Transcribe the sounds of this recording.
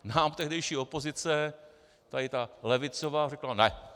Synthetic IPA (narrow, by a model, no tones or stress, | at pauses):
naːmt̪ɛɦdɛjʃiːo̞pozɪt͡sɛ | t̪aɪt̪alɛvɪt͡sovaːrɛklanɛ